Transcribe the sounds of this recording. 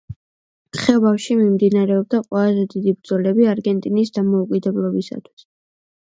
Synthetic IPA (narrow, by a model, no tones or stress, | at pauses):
χɛbafʃimimd̪inaɾɛɔb̚d̪aqʼwɛlˠazɛd̪id̪ibɾd̪zɔlɛbiaɾɡɛnt̪ʼinisd̪amɔukʼid̪ɛblˠɔbisa̰t̪ʰwi̥s